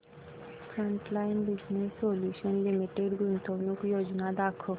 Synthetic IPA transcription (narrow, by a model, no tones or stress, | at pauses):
fɾə̃ɳʈlajnbid͡ʑnesːoljuʃənlimiʈeɖɡʱunt̪ʰownukjod͡ʒnad̪akʰo